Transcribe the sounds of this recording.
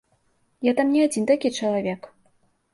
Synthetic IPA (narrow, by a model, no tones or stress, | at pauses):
jat̪amnʲiad͡zʲint̪akʲit͡ʂɐlˠavʲɛk